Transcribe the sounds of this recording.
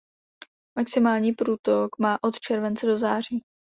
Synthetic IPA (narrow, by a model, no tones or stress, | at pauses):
maksɪmaːlɲiːpɾuːt̪okmaːʔo̞t̪t͡ʃɛɾvɛnt͡sɛdo̞zaːr̝iː